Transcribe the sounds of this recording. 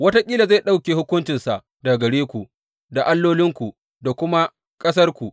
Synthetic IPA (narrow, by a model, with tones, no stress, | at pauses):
wɐ˦ta˦kʲʼiː˦la˨za˦˨ɗa˦wkʲeː˨hʊ˦kʷʊ˦nt͡ʃɪ˨nsa˨ʔ | da˨ɡɐ˨ɽeː˦kʷu˨ | da˨ʔa˦lːoː˦lɪ˦ŋkʷu˨ | da˨kʷʊ˦ma˦ | kʼɐ˦s̬ɐ˦rkʷu˨